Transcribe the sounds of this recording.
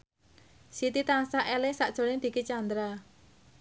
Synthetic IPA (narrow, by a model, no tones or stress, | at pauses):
sit̪it̪aŋsaʔɛlɪŋsaʔdʒ̥o̤lɪŋd̪̥i̤kit͡ʃand̪ɾa